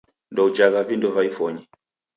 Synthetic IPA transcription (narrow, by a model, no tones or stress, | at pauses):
ndɔud͡ʒaɣavindɔvaifɔɲɛ